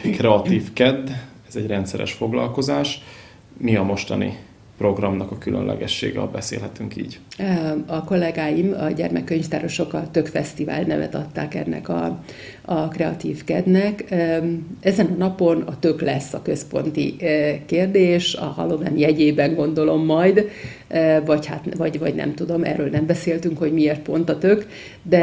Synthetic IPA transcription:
krɛɒt̪iːfkɛd̪ː | ɛzɛɟrɛnt̪sɛɾɛ̰ʃfo̞ɡlɒ̰lko̞zaːʃ | miɒmo̞ʃt̪ɒnḭ | pro̞ɡrɒmnɒkɒkylø̰nlʔɛ̰ɡɛʃːḛːɡɛbɛsḛːlɦɛt̪yŋkḭːɟ | ɒko̞lɛɡaːjimɒɟɛrmɛkːøɲft̪aːɾo̞ʃo̞kɒt̪ø̞kfɛst̪iva̰ːlnɛvɛ̰t̪ɒt̪ːa̰ːkɛ̰nːɛ̰kɒ̰ | ɒkrɛɒt̪iːfkɛd̪nɛkː | ɛzɛnɒnɒpo̞nɒt̪ø̞klɛsːɒkø̞spo̞̰nt̪ḭkeːrd̪eːʃɒ̰ɦɒ̰lo̞vɛ̰njɛɟeːbɛŋɡo̞nd̪o̞lo̞mːɒjd̪ | vɒchat̪vɒɟvɒɟnɛ̰mt̪ud̪o̞mɛ̰ːrːøːlnɛmbɛseːlt̪yŋkho̞ɟmieːrt̪̚po̞nt̪ɒt̪øk | d̪ɛ

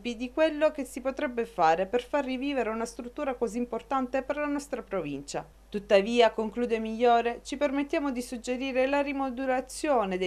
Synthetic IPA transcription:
pid̪ikwelːokesːipot̪ɾɛbːefaːɾeperfarːiviːveɾeunast̪ɾut̪ːuːɾakoziːmport̪ant̪eperlanɔst̪ɾapɾovint͡ʃa̰ | t̪ut̪ːaviːakoŋkluːd̪emiʎːoːɾet͡ʃipermet̪ːjaːmod̪isud͡ʒːeɾiːɾelarimod̪uɾat̪sːjoːned̪e

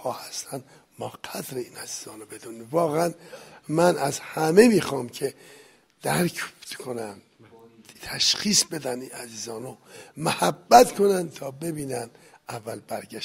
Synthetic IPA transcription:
hɒːhæst̪ʰænd̪ | mɒːqʰæd̪ɾeiːnæziːz̥ɒːnobe̞d̪univɒːɣeænmænæzhæmemiːxɒːmcʰe | d̪̥æɾk̪ʰkʰonæm | t̪ʰæʃxiːsbe̞d̪æninæziːzɒːnomohæbːæt̪kʰo̞nænt̪ʰɒːbe̞biːnænd̪ | ʔævːælbæɾɡæʃ

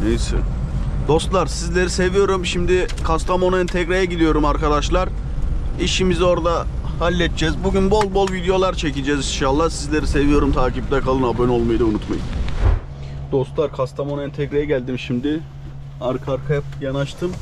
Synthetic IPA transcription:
nejsɛ̰ | d̪̥o̞st̪lˠaɾsizlʲe̞ɾise̞vijo̞ɾumʃimd̪ɪkʰast̪ʰamo̞nɛnt̪ʰɛcɾejɛɟid̪ijo̞ɾumaɾkad̪aʃlˠaɾ | iʃimizo̞ɾd̪ahalʲːɛt̪̚t͡ʃɛzbuɟynbo̞lˠbo̞lˠvid̪ejo̞lˠaɾt͡ʃʰecid͡ʒɛzinʃalˠːahsizlʲe̞ɾise̞vijo̞ɾumt̪ʰaːcipd̪ɛkʰalˠɯnabønolˠmajd̪aunut̪majɯ̰n | d̪̥o̞st̪lˠaɾkʰast̪ʰamo̞nɛnt̪ʰɛkɾejɛɟælʲd̪imʃimd̪ɪ | aɾkʰaɾkʰajapɯjanaʃt̪ʰɯm

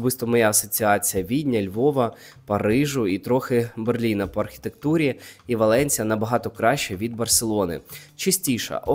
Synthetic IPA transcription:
bɨst̪ɔmɔjaːsɔt͡sʲiɑt͡sʲijɐʋʲidʲnʲɐlʲʋɔʋɐ | pɐɾɪʒʊit̪ɾɔxɪberlʲinɐpɔɐrxʲi̥t̪ekt̪uɾʲiiʋɐlˠɛnʲt͡sʲijɐnɐbɐɦɑt̪ɔkɾɑʃt͡ʃɛʋʲid̪bɐrselˠɔnɪ̰t͡ʃɪsʲtʲiʃɐ̰ʔɔ

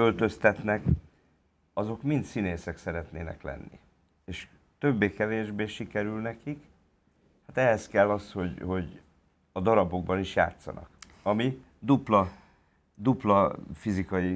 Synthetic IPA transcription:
ølt̪ø̞st̪ɛt̪nɛk | ɒzo̞kmint̪sineːsɛksɛɾɛt̪neːnɛ̰klɛ̰nːḭ | eːʃ | t̪ø̞bːeːkɛveːʒbeːʃikɛɾylnɛkik | hat̪ɛɦɛskɛlːɒsho̞ɟho̞ɟ | ɒd̪ɒɾɒbo̞ɡ̚bɒniʃja̰ːt̪sɒ̰nɒ̰k | ɒmi | d̪uplɒ | d̪uplɒfizikɒji

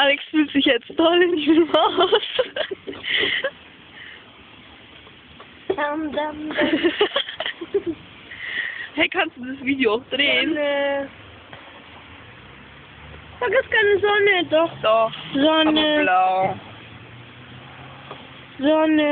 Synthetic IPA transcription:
ʔalɛksfyːltz̥ɪçjɛt͡stɔlɪndiːmaʊs | damdam | hɛkʰanstd̥uːdizəsv̥iːdioaʊxd̥ʁeːnə | faɡɪskaɪnəzɔnədɔχd̥ɔχzɔnəlaʊ | zɔnə

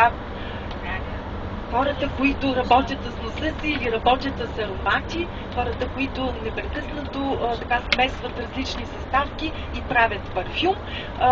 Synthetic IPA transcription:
xɔɾət̪əkoit̪ʊɾɐbɔt̪ʲət̪ssnosəsiːliɾɐbɔt̪ʲjət̪səsɐɾomat̪ʲi | xɔɾət̪əkoit̪ʊnɛpɾɛkɤsnət̪ot̪ɐkasmɛst̪vɐt̪ɾɐzlit͡ʃnisɐst̪afkʲi | ipɾavʲət̪pɐɾfʲum

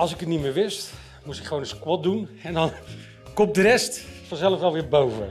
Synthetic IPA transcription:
ɑlˠsɪkətnimɪːɹʋɪst | mustɪkχəʋownəskwɔt̚dunɛndɑn | kɔmp̚dərɛstfɑnzɛləfʋɛlˠʋɪːɹbowvə̰

